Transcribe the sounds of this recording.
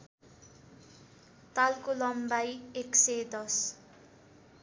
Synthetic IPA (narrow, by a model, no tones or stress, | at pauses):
t̪alkolʌmbajeksed̪ʌs